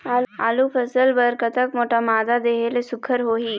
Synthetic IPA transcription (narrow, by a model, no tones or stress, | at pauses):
aːaːlupʰəsəlbəɾkət̪əkmoːʈamaːd̪ad̪eːɦelesʊkʰːəɾɦoːɦiː